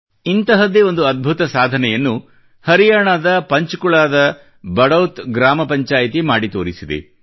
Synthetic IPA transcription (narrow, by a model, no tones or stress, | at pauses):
int̪ɐɦɐd̪eo̞nd̪uɐd̪̚bʱut̪ɐsaːd̪ʱɐnɛjɐnːu | hɐɾijaːɳaːd̪ɐpɐɲt͡ʃukuɭaːd̪ɐ | bɐɽɐwt̪ɡɾaːmɐpɐɲt͡ʃaːjit̪imaːɽit̪oːɾisid̪ḛ